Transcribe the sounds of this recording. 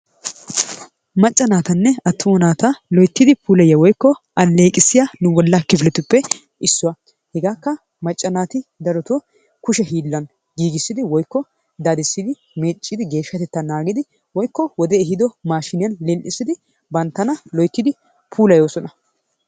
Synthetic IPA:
mɐt͡ʃʼːɐnaːt̪ɐnːɛɐt̪ːʊmɐnaːt̪ɐlɔjt̪ːɪd̪ɪpʰuːlɐjɐwɔjkːɔʔɐlːeːkʼɪsːɪjanʊbɔlːɐkːɪfɪlɛt̪ʊpːɛ | ʔɪsːʊwa | hɛɡaːkːɐ | mɐt͡ʃʼːɐnaːt̪ɪd̪ɐɾɔt̪o | kʊʃɛɦiːlːɐn | ɡiːɡɪsːɪd̪ɪwɔjkːɔ | d̪aːd̪ɪsːɪd̪ɪ | meːt͡ʃʼːɪd̪ɪɡe̞ːʃːɐt̪ɛt̪ːɐnaːɡɪd̪ɪ | wɔjkːɔwɔd̪ɛːɦɪd̪ɔmaːʃɪnɪjɐnlɛlʔɪsɪd̪ɪ | bɐnt̪ːɐnɐlɔjt̪ːɪd̪ɪ | pʰuːlɐjoːsɔnɐ

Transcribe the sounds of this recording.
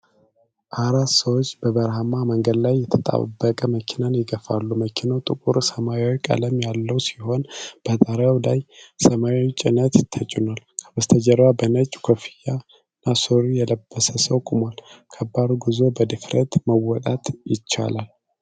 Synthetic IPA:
ʔaɾat̪səwot͡ʃːb̥əbəɾhamaməŋɡəd̪lajːɛt̪ʰət̪ʼa̰bːəkʼəməkʰinanjɪɡəfa̰lːuməkʰinawt̪ʼɨkʼuɾsəmaawwkʼa̰ləmjalːəwsiho̞nb̥ət̪ʼəɾawlajsəmat͡ʃʼɪnət̪t̪ʰːət͡ʃʼunalkʰəbəst̪ʰəd͡ʒəɾbabənət͡ʃʼkʰofija | nːasoɾijɛləbːəsəsəwkʼumwalkʰəbːad̪uɡɨzo̞bəd̪ɨfɾʔə̰t̪məwɔt̪ʼat̪jɪt͡ʃːa̰lal

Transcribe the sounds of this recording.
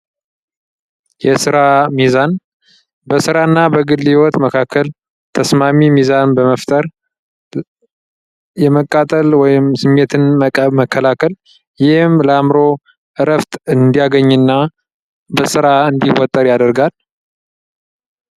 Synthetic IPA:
jɛsɨɾamizan | bəsɨɾaɨnːabəɡɨlːhiwɔt̪məkʰakʰːəl | t̪ʰəsmamimizanbəməft̪ʼəɾ | jɛməkʼːat̪ʼəlwɔjɪmsɨmːe̞t̪ʰɨnmməkʰːəlakʰəl | jɪhɨmləamɾo̞ | ʔɨɾəft̪ɨnd̪ijaɡəɲːɨnːa | bəsɨɾaɨnd̪iwɔt̪ʼːəɾjad̪əɾɡal

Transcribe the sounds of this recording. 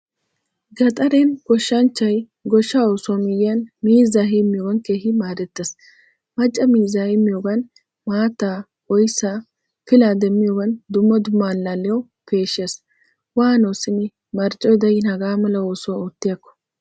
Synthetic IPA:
ɡɐt̪ʼɐɾenɡɔʃːɐnt͡ʃːɐj | ɡɔʃːaoːsɔmɪjɪɐnmiːzːaɦemːɪjoːɡɐnkeːhɪmaːd̪ɛt̪ːeːs | mɐt͡ʃʼːɐmiːzːɐhimːɪjoːɡɐn | maːt̪ːaː | ɔjsaː | fɪlaːd̪ɛmːɪjoːɡɐnd̪ʊmːɐd̪ʊmːaːlːalːɛjɐw | pʰe̞ːʃeːs | waːnoːsɪnɪ | mɐɾt͡ʃʼːɔjd̪ɐjɪnhɐɡaːmɐlɐoːsɔt̪ːɪjɐkːɔ̥

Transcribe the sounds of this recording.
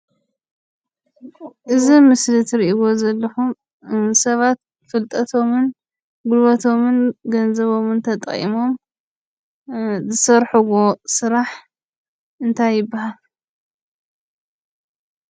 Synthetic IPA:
ʔɨzimɨslɨt̪ʰɾiʔiwo̞zɐlːɐxum | sɐβat̪̚ | fɨlt̪ʼɐt̪ʰo̞mɨn | ɡulβɐt̪ʰo̞mɨnɡɐnzɐβo̞mɨnt̪ʰɐt̪ʼχḭmo̞m | zɨsɐɾħuɣosɨɾaħ | ɨnt̪ʰajːɪbːahal

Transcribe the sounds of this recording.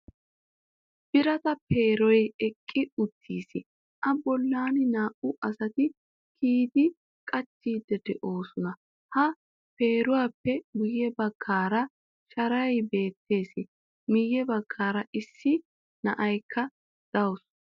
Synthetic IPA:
b̥ɪɾɐt̪ɐpeːɾɔjɛkʼːɪʊt̪ʰːiːsɪ | ʔɐbɔlːaːnɪnaːʔʊʔɐsɐt̪ɪ | kʰiːd̪ɪ | kʼɐt͡ʃːiːd̪ɛd̪ɛʔo̞ːsʊnɐ | hɐ | pe̞ːɾʊwaːpːɛɡʊjːɛbɐɡ̥ːaːɾɐ | ʃɐɾɐjbe̞ːt̪ːe̞ːsɪ | mɪjːɛbɐɡ̥ːaːɾɐʔɪsːɪ | nɐ̰ʔɐjkːɐ | d̪̥ɐws

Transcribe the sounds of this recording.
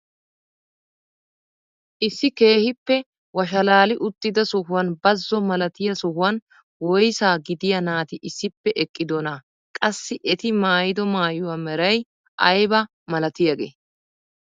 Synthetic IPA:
ʔɪsːɪke̞ːhɪpːɛ | wɐʃ̬ɐlaːlɪʔʊt̪ːɪd̪ɐsɔhʊwɐnbɐzːɔmɐlɐt̪ɪjɐsɔhʊwɐn | wɔjsaːɡɪd̪ɪjɐnaːt̪ɪʔɪsːɪpːɛʔɛkʼːɪd̪ɔna | kʼɐsːɪʔɛt̪ɪmaːjɪd̪ɔmaːjʊwamɛɾɐj | ʔɐjbɐ | mɐlɐt̪ɪjɐɡḛː

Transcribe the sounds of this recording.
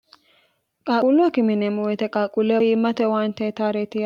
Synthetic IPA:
kʼaːulʊɐkɪmɪnemɔwɛt̪ɛkʼaːkʼulːɛjimːɐt̪ɛwaːnt̪et̪aːɾeːt̪ɪ

